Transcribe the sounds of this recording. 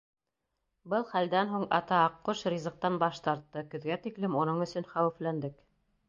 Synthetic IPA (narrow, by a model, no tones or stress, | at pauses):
bɤlˠχæld̪ænɦuɴɑ̰t̪ɑɑqːoʃrʲizɤ̆q̚t̪ɑnbɑʃt̪ɑɾt̪ːɤkɵ̆ðɡæt̪iklɘmunɤɴɵ̆sɵnχæwɘ̆flænd̪ɘk